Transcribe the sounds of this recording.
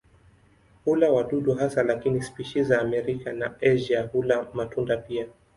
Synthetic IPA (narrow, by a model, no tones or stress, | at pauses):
hulawaɗuɗuɦasalakinispiʃizaːmɛɾikanaɛʒahulamatundapia